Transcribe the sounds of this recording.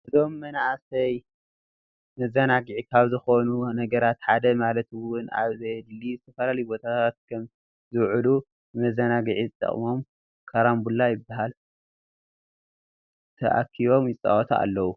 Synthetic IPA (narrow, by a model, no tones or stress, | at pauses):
ʔɨzo̞mːɐnaʕsɐj | mɐzanaɡɨʕikʰaβzɨxo̞nunɐɡɐɾat̪ħad̪ɐmalɐt̪wʊna̰βzɐjd̪ɨlːizɨt̪ʰɐfɐlalɐjubo̞t̪ʰat̪ʰat̪̚kʰɐm | zɨwʕɨlu | bɨmɐzanaɡɨʕiɨt̪ʼːɐ̰χʼmo̞m | kʰaɾambulːajɪbːaɦal | t̪ʰɐ̰ʔa̰kʰːiβo̞mjɪt͡sʼːa̰wɔt̪ʰaa̰lːɐwu